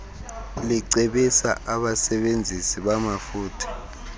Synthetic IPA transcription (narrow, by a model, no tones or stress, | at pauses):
liǀeɓisaʔaɓasɛɓend͡zʱisiɓamafuːtʰi̥